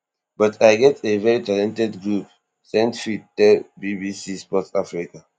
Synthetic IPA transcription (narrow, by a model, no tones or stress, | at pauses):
batʰajɡɛtʰevɛɹitalɛ̃ntɛdɡɹup̚ | sɛ̃ntfittɛbibisispɔtafɹika